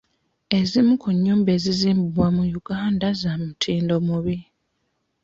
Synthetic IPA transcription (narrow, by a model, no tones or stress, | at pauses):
e̞zimukuɲːuːmbe̞ːziziːmbuβwamujuɡ̥aːndazamutʰiːndo̞muβi